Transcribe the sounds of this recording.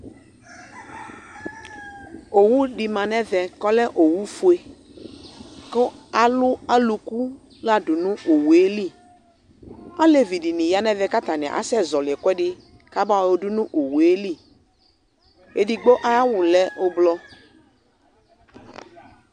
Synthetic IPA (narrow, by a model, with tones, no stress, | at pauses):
o˨wu˦ɖi˨mã˨nɛ̃˦vɛ˨kɔ˦lɛ˦ʔo˨wu˦fu˦e˦ | kɔ˦a˨lʊ˦a˦lu˨ku˦ | la˦dʊ˨nũ˦o˨we˦li˦˨ | a˦le˨vi˨di˨nĩ˨ja˦nɛ˦vɛ˦ka˦t̪a˨nɛ̰̃˨ʔa̰˨˦sɛ˦zɔ˨lɪ˨ɛ˨kwɛ˦ɖɪ˦ | ka˦ba˦˨wo˦du˦nũ˦ʔo˨wu˨e˦li˦˨ | e˨di˨ɡ͡bo˦ʔa˦ja˦wʊ˨lɛ˦o˦blɔ˦